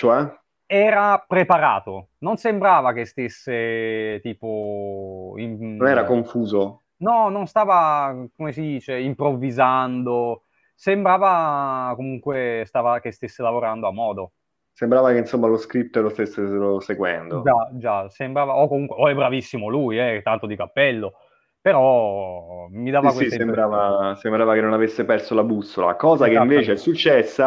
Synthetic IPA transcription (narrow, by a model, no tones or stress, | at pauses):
t͡ʃoɛ | ɛːɾapɾepaɾa̰ːt̪ononsembɾaːvakest̪esːet̪iːpo | imonɛːɾakoɱfuːzo | nɔnonst̪aːvakomesid̪iːt͡ʃeimpɾovːizand̪o | sembɾaːvakomuŋkwest̪aːvak̟est̪esːelavoɾand̪oamːɔːd̪o | sembɾaːvakeinsomːaloskɾip̚t̪lost̪esːeɾoseɡwɛ̰nd̪od͡ʒad͡ʒasembɾaːvaokːomuŋkweoɛbːɾavisːimolujɛt̪ant̪od̪ikapːɛlːo | peɾɔ | mid̪aːvakweissembɾaːvasembɾaːvakenːonavesːepɛrsolabusːola̰kɔːzakeĩɱveːt͡ʃeɛsːut͡ʃːɛsːa